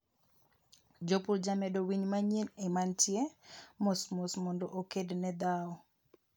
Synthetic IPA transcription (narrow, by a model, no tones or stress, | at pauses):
d͡ʒopuld͡ʒamɛdowiɲmaɲenemantjemosmosmɔndɔʔokednɛd̪aɔ